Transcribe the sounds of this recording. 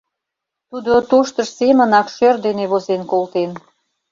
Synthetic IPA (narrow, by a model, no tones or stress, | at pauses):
t̪ud̪ot̪oʃt̪əʃsemə̆nɑkʃørd̪eneβozenkolt̪en